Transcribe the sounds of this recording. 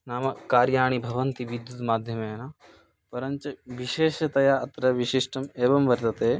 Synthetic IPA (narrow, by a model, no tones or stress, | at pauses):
naːmɐkkaːɾjaːɳ̃ibʱɐʋɐnt̪iʋid̪jut̪maːd̪ʱjɐmɐenaː | pɐɾɐnt͡ʃɐʋiʃeːʃɐt̪ɐjaːʔɐt̪ɾɐʋiʃiʂʈɐmeːʋɐmʋɐɾt̪ɐt̪eː